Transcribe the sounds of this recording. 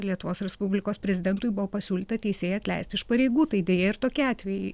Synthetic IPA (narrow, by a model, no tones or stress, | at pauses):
lʲiɛt̪ʊʋoːsɾʲɛspʊbʲlʲɪkoːspʲɾʲɛzʲɪd̪ʲɛnt̪ʊjbʊʋopɐsʲuːlʲiːt̪ɐt̪ʲɛɪsʲeːjɛɐt̪ʲlʲɛ̰ɪst̪ʲɪɪʃpɐɾʲeɪɡuːt̪ɐɪd̪ʲeːjeːɪɾt̪oːkʲiɑːt̪ʲʋʲɛjɪ